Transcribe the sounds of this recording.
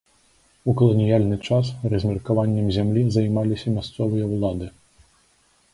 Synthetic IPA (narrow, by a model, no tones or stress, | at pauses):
ukɔlˠɔnʲijalʲnɨt͡ʂasrɐzʲmʲirkʊʋɑnʲːɐmzʲɛmlʲizɐjmɑlʲɪsʲɐmʲast̪sɔʋɔjɛwlˠɑd̪ɨ